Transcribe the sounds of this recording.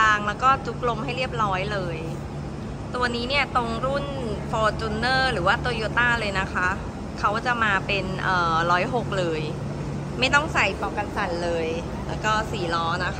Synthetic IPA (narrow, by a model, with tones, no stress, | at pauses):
aː˧ŋlɛː˦˥wkɔː˥˩t͡ɕu˦˥k̚lo˧mha˥˩jɾi˥˩əp̚ɾɔː˦˥jlɤː˧j | t̪u˧niː˦˥ni˥˩ɐt̪o˧ŋɾu˥˩n | fɔː˧t͡ɕ̪u˧nːɤː˥˩ɾɯː˩˦waː˥˩t̪oː˧joː˧˥t̪aː˥˩lɤː˧jna˦˥kʰa˦˥ | kʰa˦˥wkt͡ɕa˨˩maː˧pe˧nʔɤː˨˩lɔː˦˥jɦo˨˩k̚lɤː˧j | ma˥˩jt̪ɔ˥˩ŋsa˨˩jpɔː˧ka˧nsa˨˩˦nlɤː˧j | lɛː˦˥wkɔː˥˩siː˨˩˦lɔː˦˥na˦˥kʰ